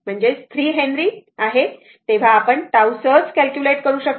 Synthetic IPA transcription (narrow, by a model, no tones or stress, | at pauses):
m̤əɳd͡zest̪ʰɾiːɦenɾiːaɦe | t̪eʋ̤aːpəɳʈ̪awsət͡skælkjuleʈkəɾuːɕək̚